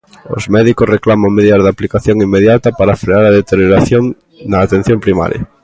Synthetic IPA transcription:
o̰zmɛðikoreklamaŋmeðiðazðaplikaθjoŋimːeðjat̪apaɾafɾeaɾaðet̪eɾjoɾaθjoŋ | naːt̪en̟θjompɾima̰ɾja̰

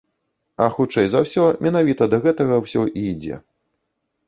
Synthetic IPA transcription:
ɐxut͡ʂɛjzawsʲɔmʲɛnavʲit̪ɐd̪ɐɣɛt̪ɐɣɐwsʲɔʔid͡zʲɛ̰

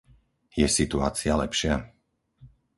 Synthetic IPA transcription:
jɛsit̪ua̰ːt͡sɪalɛpʃɪa

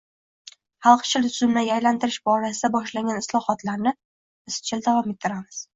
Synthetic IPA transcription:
hɑlˠqt͡ʃʰɪlt̪ʰʊzɪmnajajlant̪ɪɾɪʃbɒɾasɪd̪abɒʃlaŋɡʲanɪslˠɒhɒt̪laɾnɪ | bɪst͡ʃʰɪld̪avɒme̞t̪ʰːɪɾamɪz̥

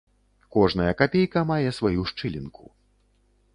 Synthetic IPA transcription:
kɔʐn̪ɐjɐkapʲejkɐmajɛsvajuʂt͡ʂɨlʲḭnku

